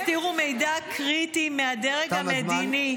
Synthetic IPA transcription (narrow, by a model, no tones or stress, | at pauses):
t̪iʁume̞jdakʁitimeadeʁeɡamedini